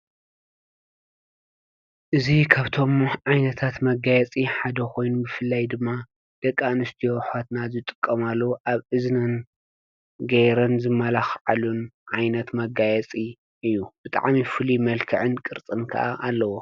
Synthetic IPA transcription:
ʔɨzikʰaβt̪ʰo̞mʕajnɐt̪ʰat̪mɐɡajɛt͡sʼiħad̪ɐko̞jnubɨfɨlːajd̪ɨmːa | d̪̥ɐkʼːanɨst̪ʰioħʷat̪nazɨt̪ʼɨ̥kʼːɐmalːoʔaβʔɨznɨn | ɡɐjɾɐnzɨmːɐlaxʕalunʕajnɐt̪mɐɡajɛt͡sʼi | ʔɨjːub̥ɨt̪ʼa̰ʕmifɨlimɐlkʰɨʕɨnkʼɨɾt͡sʼɨnkʰɐ̰ʔa̰ʔalːɐwo

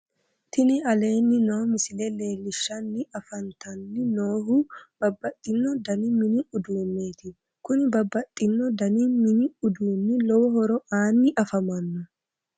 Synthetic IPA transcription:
t̪ʰɪnɪɐle̞ːnːɪnoːmɪsɪlɛle̞ːlːɪʃːɐnːɪɐfɐnt̪ɐnːɪnoːɦʊb̥ɐbːɐt̪ʼːɪnːɔd̪ɐnɪmɪnɪʊd̪uːnːe̞ːt̪ɪ | kʊnɪbɐbːɐt̪ʼːɪnːɔd̪ɐnɪmɪnɪʊd̪uːnːɪlɔwɔɦɔɾɔʔaːnːɪʔɐfɐmɐnːɔ

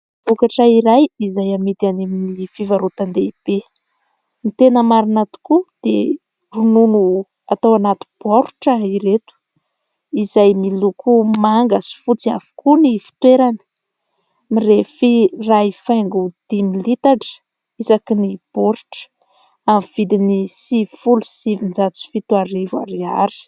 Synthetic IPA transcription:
vv̥ukaʈ͡ʂaiɾajizajamit̪animilifivaɾut̪and̪eib̥e | mit̪enəmaɾinat̪u̥kud̪̥ḛ | rununu | at̪awanat̪u̥b̥oɾuʈ͡ʂaiɾet̪u̥ | izajmilukumaŋɡasi̥fut͡siafu̥kunifi̥t̪weɾani̥ | mirefiraifajŋɡud̪̥imilit̪aʈ͡ʂə̥ | izakinib̥oɾuʈ͡ʂə̥ | amv̥id̪inisivifulusivind͡zat͡si̥fit̪uaɾiva̰ɾiaɾi̥

